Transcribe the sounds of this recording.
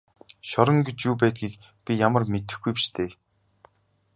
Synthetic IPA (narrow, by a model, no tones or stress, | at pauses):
ʃɔɾɞ̆ŋɡet͡ɕjuːpæːt̪̚ɡiːk | pʲijamə̆rmet̪ɘ̆xɡujpi̥ʃt̪ʰeː